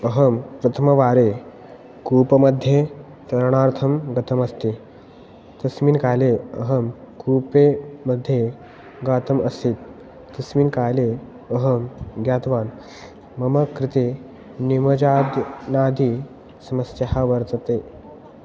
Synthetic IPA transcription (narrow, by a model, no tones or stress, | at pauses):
əɦəmpɾɐt̪ʰəmɐʋaːɾe | kuːpəmɐd̪ʱje | t̪ɐɾɳ̃aːɾt̪ʰəmɡɐt̪ʰəmɐst̪e | t̪ɐsmiːnkaːleəɦəmkuːpeməd̪ʱje | ɡaːt̪əmɐsiːt̪ː | ɐsmiːnkaːle | əɦəmɡjaːt̪ʋaːn | mɐməkɾit̪e | niməd͡ʑaːd̪naːd̪ʱiː | sɐməsahaʋəɾt̪ət̪e